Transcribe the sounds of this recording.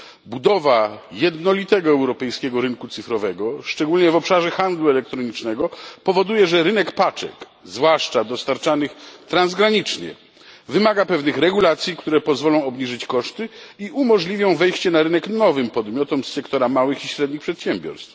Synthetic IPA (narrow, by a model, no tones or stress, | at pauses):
bud̪ɔvajɛd̪nɔlʲit̪ɛɡɔɛwɾɔpɛjskʲɛɡɔɾɘnkut̪sɘfɾɔvɛɡɔʂt͡ʂɛɡulɲɛvɔpʂaʐɛxand̪luɛlɛk̚t̪ɾɔɲit͡ʂnɛɡɔpɔvɔd̪ujɛʐɛɾɘnɛkpat͡ʂɛ̰k | zvwaʂt͡ʂad̪ɔst̪aɾt͡ʂanɘxt̪ɾanzɡɾaɲit͡ʂɲɛ̰ | vɘmaɡapɛvnɘxɾɛɡulat̪sʲjikt̪uɾɛpɔzvɔlɔ̃w̃ɔbɲiʐɘt͡ɕkɔʂt̪ɘiʔumɔʐlʲivʲjɔ̃w̃vɛjɕt͡ɕɛnaɾɘnɛknɔvɘmpɔd̪mʲjɔt̪ɔmsːɛkt̪ɔɾamawɘxiɕɾɛd̪ɲixpʂɛt̪ɕɛmbʲjɔ̰ɾst̪f